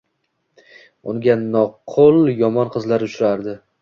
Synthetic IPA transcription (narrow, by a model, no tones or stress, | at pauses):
ʊŋɡʲanɒqʰʊlˠjɒmɒnqʰɨzlaɾʊʃɾaɾd̪ɪ